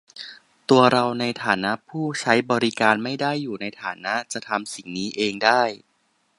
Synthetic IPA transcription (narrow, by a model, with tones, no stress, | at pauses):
t̪u˧ɐɾa˧wna˧jt̪ʰaː˩˦na˦˥ʔpʰuː˥˩t͡ɕʰa˦˥jbɔː˧ɾi˦˥kaː˧nma˥˩jdaː˥˩jːuː˨˩na˧jt̪ʰaː˩˦na˦˥ʔt͡ɕa˨˩t̪ʰa˧msi˨˩ŋniː˦˥ʔeː˧ŋdaː˥˩j